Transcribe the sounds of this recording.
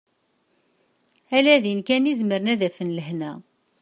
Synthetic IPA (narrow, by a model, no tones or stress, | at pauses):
ælæðinkænizməɾənæðæfənləhnæ